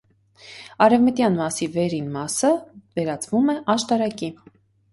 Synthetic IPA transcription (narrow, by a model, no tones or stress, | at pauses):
ɑɾɛvmət̪jɑnmɑsivɛɾinmɑsəvɛɾɑt͡svumɛʔɑʃt̪ɑɾɑki